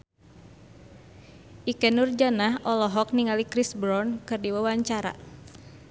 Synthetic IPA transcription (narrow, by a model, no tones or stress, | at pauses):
ʔikɛnurd͡ʒanaɦʔɔlɔɦɔk̚niŋalikɾisbɾɔnkɨrdiwawaɲt͡ʃaɾa̰